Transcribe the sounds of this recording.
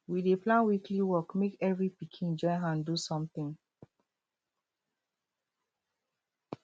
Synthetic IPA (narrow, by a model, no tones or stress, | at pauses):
wideplãnwikliwɔkmekɛvɹipikʰĩnd͡ʒɔjãndusɔ̃mθĩŋ